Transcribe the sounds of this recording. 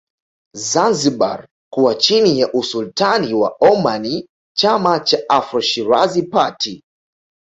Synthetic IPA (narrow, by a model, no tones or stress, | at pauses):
zanziɓa̰ɾ | kuwat͡ʃinijaʔusultaniwa̰ɔmani | t͡ʃamat͡ʃaʔafɾɔʃiɾa̰zipatʰi